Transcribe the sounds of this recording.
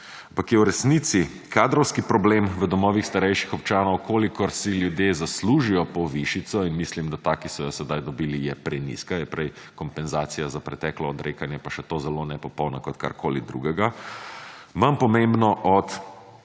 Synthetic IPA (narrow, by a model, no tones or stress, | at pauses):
ampakjɛwɾɛsnit̪si | kaːd̪ɾɔwskipɾɔblemʋəd̪ɔmɔːʋixst̪aɾɛjʃixɔp̚t͡ʃaːnɔwkʰoːlikɔɾsiljud̪jezasluːʒijɔpɔʋiʃit̪sɔinmislimd̪at̪aːkisɔjɔsɛd̪ajd̪ɔbilijɛpɾɛjnḭskajɛpɾɛj | kɔmpɛnzaːt̪sijazapɾɛt̪ɛːklɔːd̪ɾʔeːkanjɛpaʃɛt̪oːzɛlonɛpɔpɔwnɔkɔt̪ka̰ɾkʰoːlid̪ɾṵɡɛɡa | mampɔmẽmbnɔʔɔt̪